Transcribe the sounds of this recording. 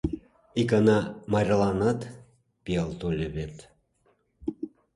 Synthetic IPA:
ikɑnɑmɑɾʲlˠɑnɑt̪ | piɑlˠt̪olʲeβet̪

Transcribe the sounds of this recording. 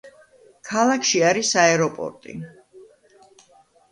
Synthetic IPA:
kʰalˠakʰʃiaɾisaɛɾɔpʼɔ̰ɾt̪ʼḭ

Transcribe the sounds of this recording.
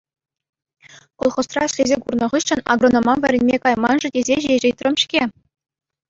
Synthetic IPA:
kŏlˠχŏst̪rɑɘ̆ɕʲlʲezʲekurnɤ̆ʁɯɕːɘ̆nɑ̰ɡrŏnomɑʋʲɘ̆ɾʲĕnʲmʲekɑjmɑnʐɘ̆dʲezʲeʑeʑɘ̆t̪ʲrʲɤ̆mʲɕkʲe

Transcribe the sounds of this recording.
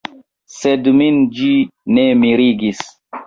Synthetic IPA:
sedmind͡ʒinemiɾiɡis

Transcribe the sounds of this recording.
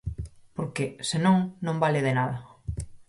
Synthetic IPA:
poɾkesenõŋnõmbalɪðenaðɐ

